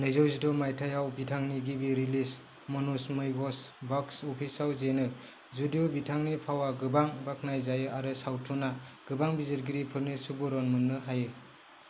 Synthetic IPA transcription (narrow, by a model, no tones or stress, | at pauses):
nɯjzɔwzidɔmajtʰajawbitʰaŋniɡibiɾilis | mɔnusmɯjɡɔsbɔksɔpʰisawzenɯ | zudijobitʰaŋnipʰawaɡɯbaŋbaknajzajɯʔaɾɯsawtʰunaɡ̥ɯbaŋbizeɾɡiɾipʰɯɾnisubɔɾɔnmɯŋnɯɦajɯ